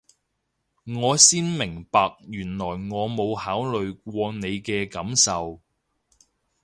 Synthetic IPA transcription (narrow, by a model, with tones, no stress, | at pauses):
ŋɔː˨˧siː˥nmɪ˨˩ŋpaː˨˧k̚jyː˨˩nlɔː˨˩jŋɔː˨˧mo˨˧whaː˨˥wlɵ˨ɥk̚ʷɔː˧ne˨˧jkɛː˧kɐ˨˥msɐ˨w